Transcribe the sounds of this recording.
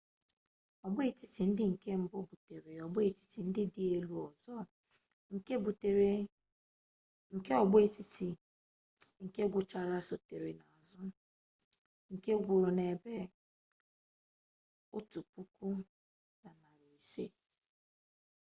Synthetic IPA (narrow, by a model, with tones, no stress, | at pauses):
ɔ˨ɡ͡bʊ˦e˨ti˦ti˨n̩˦dɪ˦ŋ̩˨ke˦m̩˨bʊ˦bu˨te˨ɾe˨ɔ˨bʊ˦e˨ti̥˦ti˨n̩˦dɪ˦dɪ˨˦e˦lu˦ɔ˨zɔ˦ | ŋ̩˨ke˦bu˨te˨ɾe˨ | ŋ̩˨ke˦ɔ˨ɡ͡bʊ˦e˦ti˦ti˨ | ŋ̩˨ke˦ɡʷʊ˨t͡ʃa˦˨ɾa˦so˨te˨ɾe˨na˨a˨zʊ˦ | ŋ̩˨ke˦ɡʷʊ˨ɾʊ˨ne˨be˦ | ʊ˦tu˨pu˦ku˦ | ba˨na˨ɾi˨se˦